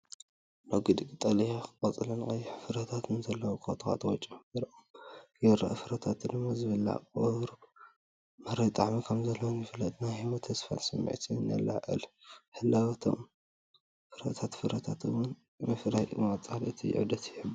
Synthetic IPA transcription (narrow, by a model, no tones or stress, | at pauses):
noɡɨd̪ɨkʼit̪ʼɐlijakɨkʼɐt͡sʼɨlɐnɨkʼɐjːɛħfɨɾɐt̪ʰat̪ɨnzɐlːɐwkʰot̪ʰxa̰t̪wɔt͡ʃʼiɨɾɐʔomjɛɾɐ̰ʔfɨɾɐt̪ʰat̪d̪ɨmːazɨβɨlːa̰kʼɐɾu | mɐɾɐjt̪ʼaʕmikʰɐmzɐlːɐwonjɪfɨlɐt̪ʼnajhimot̪ʰɐsfa̰nsɨmːɨ̰ʕt̪ʰina̰lːa̰ʔɨ̰lħɨlːaβat̪ʰo̰m | fɨɾɐ̰t̪ʰat̪fɨɾɐt̪ʰat̪ɨwʊn | mɨfɾahjɨmɐt͡sʼalʔɨt̪ʰij̰ʕṵd̪ɐt̪jɪħɨb